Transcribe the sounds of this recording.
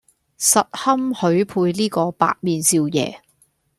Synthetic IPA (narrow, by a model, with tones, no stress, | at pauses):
sɐ˨t̚hɐ˥mhɵ˨˥ɥpʰuː˧jliː˥kɔː˧pa̰ː˧t̚miː˨nt͡siː˧wjɛ̰ː˨˧